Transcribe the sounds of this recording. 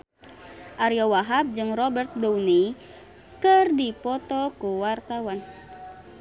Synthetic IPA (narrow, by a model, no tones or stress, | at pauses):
ʔaɾiawaɦap̚d͡ʒɨŋrɔbɛrt̪̚downi | kɨrdipɔt̪ɔkuwart̪awan